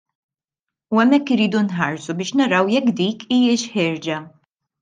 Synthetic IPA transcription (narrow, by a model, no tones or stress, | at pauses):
uɛmːɛkːɪɾːiːd̪unħɐɾsubɪːʃnɐɾɐwjɛkːd̪iːkʰiːjɪʃħɪːɾd͡ʒɐ